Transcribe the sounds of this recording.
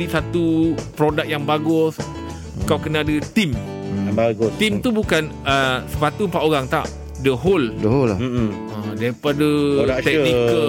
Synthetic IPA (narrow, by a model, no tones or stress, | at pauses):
isat̪upɾodak̚jaŋbaɡʊs | kawkənãːdət̪im | aɡʊt̪imt̪ubukan | əsə̥pat̪umpat̪oɣaŋt̪a̰ʔ | dəɦoldəɦol | ədaipadəat̪ɛk̚nikə